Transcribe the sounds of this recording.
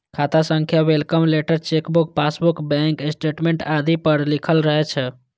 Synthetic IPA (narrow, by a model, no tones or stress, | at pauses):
kʰat̪asəŋkʰjawelkəmleʈəɾt͡ʃekbuk̚pasbukbɛ̃ŋkesʈeʈmeɳʈad̪ʱipəɾlikʰəlɾəɦɛt͡ʃʰ